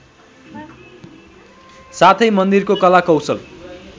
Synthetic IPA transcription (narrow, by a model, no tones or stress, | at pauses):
sat̪ʰʌjmʌnd̪irkokʌlakʌwsʌl